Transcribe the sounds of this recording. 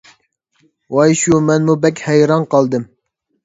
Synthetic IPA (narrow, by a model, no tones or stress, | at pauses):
wɑːiʃumɛnmubɛkʲhɛjɾɑːnqɑld̪ɨm